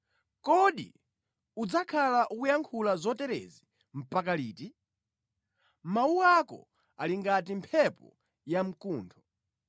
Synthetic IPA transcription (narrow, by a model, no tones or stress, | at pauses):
kɔɗḭ | ud͡zakʰalaʔukujaŋkʰulazɔtɛɾɛ̰zi | m̩pakaliːti | mauwakɔ̰ | aliŋɡatimpʰɛpɔ̰ | jam̩kuːntʰɔ